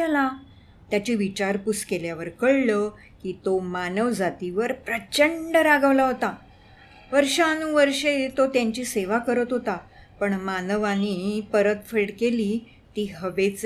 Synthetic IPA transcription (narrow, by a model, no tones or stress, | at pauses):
ala | t̪jat͡ɕiːʋit͡ɕaɾpuskeljaʋəɾkəɭlə | kiːt̪omanəʋd͡zat̪iʋəɾpɾət͡ɕəɳɖɾaɡəʋlaɦot̪a | ʋəɾʂanũʋəɾʂet̪ot̪jaɲt͡ɕiːseʋakəɾət̪ɦot̪apəɳmanəʋãniːpəɾət̪feɽkeliː | t̪iːɦəʋet͡s